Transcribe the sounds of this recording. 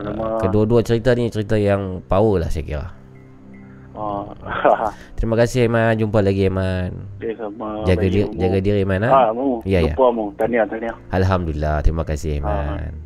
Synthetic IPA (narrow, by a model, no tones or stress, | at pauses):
makəduaduat͡ʃəɾit̪anit͡ʃəɾit̪ajaŋpawəla̰hsakḭɾa̰h | t̪əɾimakasɪhemand͡ʒumpalaɡiemanesamad͡ʒaɡadid͡ʒaɡadiɾiemanaamaijajapamut̪aniat̪aniaʔalɦamdulilat̪ɾimakasɪhema̰n